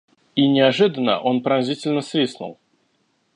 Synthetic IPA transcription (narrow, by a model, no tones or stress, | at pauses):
inʲɪaʐɨd̪ənə̰ʔonpɾanʲzʲitʲɪlʲnəsʲvʲisnṵlˠ